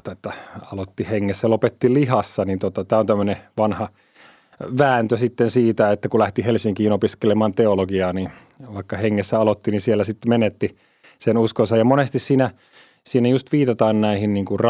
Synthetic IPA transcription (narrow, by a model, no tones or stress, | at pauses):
t̪ɑet̪ːæɑlot̪ːiheŋːesːælopet̪ːilihɑsːɑnint̪ot̪ɑt̪æːont̪æmːøneʋɑnhɑ | ʋæːnt̪øsit̪ːensiːt̪æet̪ːækulæht̪ihelsiŋkiːnopiskelemɑːnt̪eoloɡiɑːni | ʋɑikːɑheŋːesːæɑlot̪ːinisielːæsit̪ːmenet̪ːi | senuskonsɑjɑmonest̪issiːnæ | siːnæjust̪ʋiːt̪ɑt̪ɑːnnæihinniːŋkurr